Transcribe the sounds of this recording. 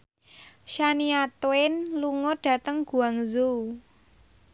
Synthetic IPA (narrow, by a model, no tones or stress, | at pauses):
ʃaniat̪oɪnluŋɔɖ̥ä̤t̪əŋɡ̥ṳaŋzu